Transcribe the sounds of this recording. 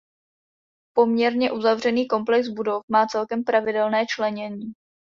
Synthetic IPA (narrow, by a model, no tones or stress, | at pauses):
po̞mɲɛɾɲɛʔuzavr̝ɛniːko̞mplɛkzbudo̞fmaːt͡sɛlkɛmpɾavɪdɛlnɛːt͡ʃlɛɲɛɲiː